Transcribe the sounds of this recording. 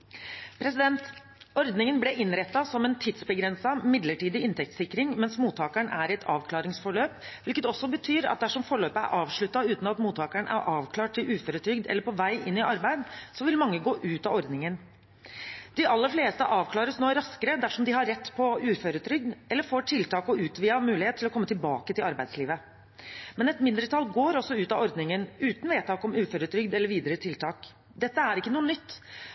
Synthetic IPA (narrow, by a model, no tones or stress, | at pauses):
pʰɾɛsɪd̪ɛnt̪ | ɔɾd̪nɪŋənblɛʔɪnɾɛt̪ːɑsɔmɛnt̪ʰɪd̪sbəɡɾɛnsɑmɪd̪ləʈiːd̪ɪɪnt̪ʰɛk̚t̪sɪkːɾɪŋmɛnsmuːt̪ʰːɑːkæɳʔæɾɛt̪ʰɑ̰ːʋkʰlɑːɾɪŋsfɔɭøːpʋɪlkət̪ɔsːɔbət̪ʰyːɾɑ̰t̪̚d̪æʂɔmfɔɭøːpəæ̰ɾʔɑːʋʂɭʉt̪ːɑʉːt̪n̩ɑt̪muːt̪ʰːɑːkæɳʔæ̰ɾʔɑːʋkʰlɑːʈ̚t̪ʰːɪlʔʉːføːɾət̪ʰɾʏɡd̪ɛ̰lːəɾpʰɔʋæɪʔɪnːɪʔɑɾbæɪd̪sɔʋɪlmɑŋːəɡoːʔʉːt̪ɑɔɾd̪nɪŋən | d̪̥ɪʔɑlːəɾfleːst̪əʔɑːʋkʰlɑːɾəsnoːɾɑskəɾəd̪æʂɔmd̪ɪɦɑɾɛt̪ːpʰɔʉːføːɾʉt̪ʰɾʏɡ̚d̪ɛlːəɾfoːʈʰɪlt̪ʰɑːkɔʔʉːt̪ʋiːɑmʉːlɪheːt̪ʰːɪlɔkʰɔmːət̪ɪlbɑːkət̪ʰɪlɑɾbæɪd̪sliːʋə | mɛnɛt̪mɪnd̪ɾət̪ʰɑlɡoːɾɔsːɔʉːt̪ɑɔɾd̪nɪŋənʉːt̪n̩ʋeːt̪ʰɑːkɔmʉːføːɾʉt̪ʰɾʏɡ̚d̪ɛlːəɾʋiːd̪əɾət̪ʰɪlt̪ʰɑːk | d̪ɛt̪ːəæɾɪkːənuːənʏt̪ː